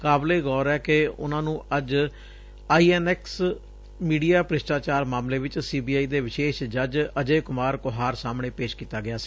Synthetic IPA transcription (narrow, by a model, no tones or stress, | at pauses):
kaːbleːɡɔːɾɛːkɪʊ̰nãːnũːəd͡ʒ | aːiːɛːnɛːks | miːɖijaːpɾɪʃʈaːt͡ʃaːɾmaːmleːʋɪt͡ʃsiːbiːaːiːd̪eːʋɪʃeːʃd͡ʒəd͡ʒəd͡ʒeːkʊmaːɾkʊɦaːɾsaːmɳeːpeːʃkiːt̪aːɡɪjaːsi̥ː